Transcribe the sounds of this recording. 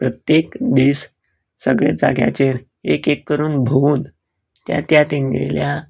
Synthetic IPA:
pɾət̪jekd̪iːs | səɡɭḛd͡za̰ɡja̰t͡ɕeɾ | ekekːəɾuːnbʱouːn | t̪ja̰t̪jat̪inɡḛlja

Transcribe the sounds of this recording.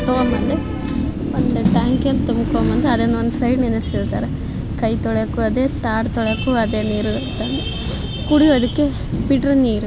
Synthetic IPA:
t̪oːmɐnd̪e | ond̪uʈaːŋkent̪umːukoːmɐnd̪eɐd̪enːɐond̪usɐjɖnind̪ɐsilt̪a̰ːɾe | kɐjt̪ɔɭekuɐd̪eːt̪aːɽt̪ɔɭekuɐd̪eːniːɾuɡɐt̪ɐnd̪e | kuɽiʋod̪ukːe | biʈɾuniːɾu

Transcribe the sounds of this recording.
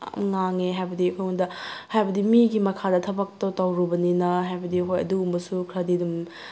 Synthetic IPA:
mŋaŋeɦajbɐdipʰojundɐhajbɐdimiɡimɐkʰadɐtʰɐbɐk̚totɐwɾubɐninɐɦajbɐdiɦojɐ̰duːmbɐsukʰɾɐdidum

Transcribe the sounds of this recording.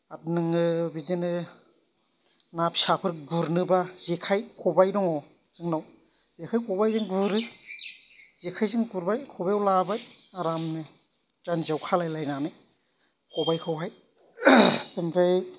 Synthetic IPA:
at̚nɯŋɯbidinɯ | nap̚sapʰɯɾɡuɾnɯbazekʰajkʰɔbajdɔŋɔ | z̥ɯŋnaw | zekʰajkʰɔbajzɯŋɡɯɾɯ | zekʰajzɯŋɡuɾbajkʰɔbajawlabaj | aɾamnɯ | d͡ʒanzawkʰalajlajnanɯ | kɔbajkʰɯwɦaj | emɾaj

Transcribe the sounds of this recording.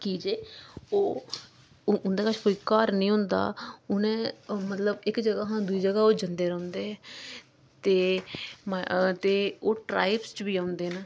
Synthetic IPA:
kiːd͡ʒeːoː | ʊnd̪aːkət͡ʃʰkoːiːkaːɾnəĩːɦʊ̃nd̪a̰ːʊnẽːmət̪ləbɪkd͡ʒəɡaːɦãːd̪uiːd͡ʒəɡaːoːd͡ʒənd̪eːɾə̃ːnd̪eːɛ | t̪eːmt̪eːoːʈɾa̰ːɪpst͡ʃbiːãːʊnd̪eːnə

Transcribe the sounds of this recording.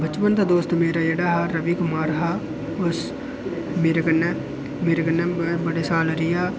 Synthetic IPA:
bət͡ʃʋənt̪ad̪oːst̪meːɾaːjeɽaːɦaɾəʋiːkʊmaːɾɦaː | ʊs | meːɾekənːe | meːɾekənːeːbəɽeːsaːlɾɪjaː

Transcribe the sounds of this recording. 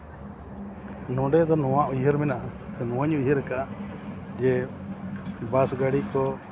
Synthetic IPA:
nɔ̃ɖɛd̪ɔnɔwaʔujɦəɾmɛnaʔanɔwaɲujɦəɾɛkaʔaʔd͡ʒɛ | basɡaɽikɔ

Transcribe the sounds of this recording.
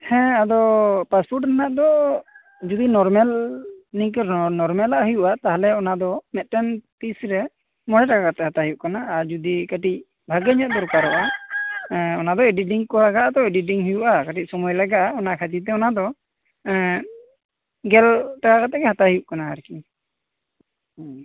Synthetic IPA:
hɛ̃ad̪ɔpaspʰuɾʈɾanaʔd̪ɔ | d͡ʒud̪inɔɾmɛlnikɾnɔɾmɛlaʔɦujuʔat̪aɦalɛɔnad̪ɔmɛt̪̚ˀʈɛnpisɾɛ | mɔɽɛʈakakat̪ɛhat̪aɦijuʔkanaːɾd͡ʒud̪ikaʈic̚ | bʱaɡɛɲat̪̚d̪ɔɾukaɾɔʔa | ɔnad̪ɔɛɖiʈiŋkɔlaɡaʔad̪ɔɛɖiʈ̬iŋɦujuʔakaʈic̚sɔmujlaɡaʔaɔnakʰat̪it̪̬ɛɔnad̪ɔ | ɡɛlʈakakat̪ɛɡɛhat̪aɦijuʔkanaːɾki

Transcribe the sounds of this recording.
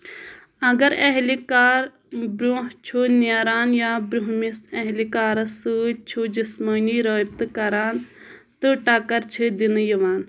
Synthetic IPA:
ɐɡɐɾɐɦlikaːɾ | bɾuɦt͡ʃʰunjaɾaːnjaːbɾuɦmisɐɦlikaːɾɐsɨt͡ʃʰud͡ʒisməniːɾoːb̚t̪ɨkɐɾaːnt̪ɨʈakɐɾt͡ʃʰid̪injiʋaːn

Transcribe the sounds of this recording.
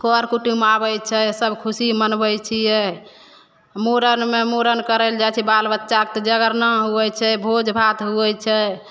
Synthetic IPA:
kɔɾkuʈumabəjt͡ʃʰɛsəbkʰusimənbəjt͡ʃʰijɛ | moɾənmemoɾənkəɾəld͡ʒat͡ʃʰɛbalbətːʃak̚t̪d͡ʒəɡəɾnaɦuɛt͡ʃʰɛbʱod͡ʒbʱat̪ɦuɛt͡ʃʰɛ

